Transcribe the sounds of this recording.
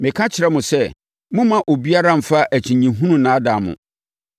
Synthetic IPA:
mɪ̃˨kʰã˦t͡ɕʰɪ˨ɾɛ˦mʊ̃˨sɛ˦ | mʊ̃˦mã˨ʔo˨bi˦a˦ɾã˦m̩˨fa˦ʔæ˨t͡ɕʰĩ˨ɲĩ˨ɦũ˦nũ˦nãː˨˦da˨mʊ̰̃˨

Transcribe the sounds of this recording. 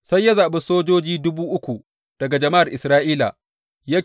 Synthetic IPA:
sa˦jːɐ˦zaː˨ɓɪ˦soː˦d͡ʒoː˦d͡ʒiː˦dʊ˦buː˦ʔʊ˦kʷu˨ | d̥ɐ˨ɡa˨d͡ʒɐ˨ma˦ʔa˨rʔɪ˨sɾaː˦ʔiː˦la̰˨ | ja˦

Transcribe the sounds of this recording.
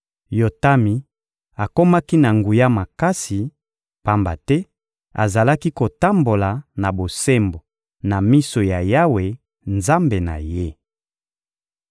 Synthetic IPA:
jo˨ta˦mi˨ | a˨ko˦ma˦ki˦na˨ŋɡu˨ja˦ma˨ka˦si˨ | pa˦mba̰˨tɛ˦ | a̰˨za˨la˦ki˦ko˨ta˦mbo˨la˨na˨bo˨se˦mbo˨ | na˨mi˦so˨ja˨ja˦we˨ | nza˦mbe˨na̰˨je˦

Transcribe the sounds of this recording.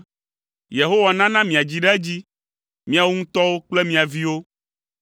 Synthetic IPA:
je˨ɦo˦wa˨nã˦nã˦mĩ˨a˨d͡ʑi˦ɖa˦d͡ʑi˦ | mĩ˦a˨wo˦ŋũ˦t̪ɔ˦wo˦k͡ple˦mĩ˦a˨vi˦wo˦

